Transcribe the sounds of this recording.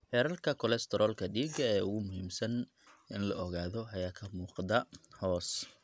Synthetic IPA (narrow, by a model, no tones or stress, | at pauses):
hɛːɾɐlkʰɐkʰɔlɛst̪ʰɛɾʔɔlkʰɐɖiːɡɐɛːʊɣʊmʊɦiːmsɐn | ʔɪnlɐɔɣaːðɔɐjaːkʰɐmuːqðɐhɔːs